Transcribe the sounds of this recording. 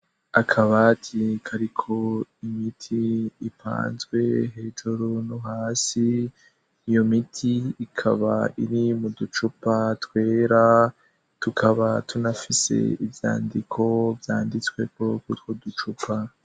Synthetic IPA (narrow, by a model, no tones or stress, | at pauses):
akʰaβatʰikʰaɾikʰo̞imitʰiːpʰa̰ːnzɡwe̞̰ɦe̞ːd͡ʒoɾonuɦaːsiː | jo̞mitʰiːkʰa̰βa̰ʔiɾimudut͡ʃupatwe̞ːɾa | tukʰaβatʰunafise̞̰ivja̰ːndikʰo̞vjaːndit͡swe̞kokutwudut͡ʃupʰa